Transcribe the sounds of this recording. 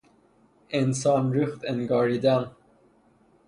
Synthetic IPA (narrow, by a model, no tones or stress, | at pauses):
ɛ̃nsɑmɹʉft̪ɛ̃nɡɑɹidãn